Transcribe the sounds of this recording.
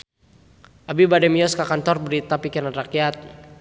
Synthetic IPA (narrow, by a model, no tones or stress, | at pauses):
ʔabibadɛmiɔskakant̪ɔrbəɾit̪apikiɾanrakiat̪̚